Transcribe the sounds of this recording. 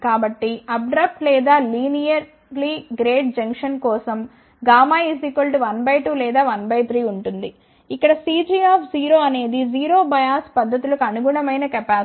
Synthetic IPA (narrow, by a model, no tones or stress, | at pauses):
kaːbɐʈːiɐb̚ɖɾɐp̚ʈlɛːd̪aːliːnijɐɾ | liɡɾeːʈ̚d͡ʒɐŋkʂɐnkɔːsɐm | ɡaːmaːisikɐlʈʋɐnbɐjʈuːlɛːd̪aːʋɐnbɐjt̪ʰɾiːuɳʈund̪i | ikːɐɽɐsiːd͡ʒiaːpʰd͡ʒiːɾo̞ːɐne̞ːd̪id͡ʒiːɾoːbɐjaːspɐd̪ʱːɐt̪̬ulɐkuɐnuɡuɳɐmɐjnɐkɛpaː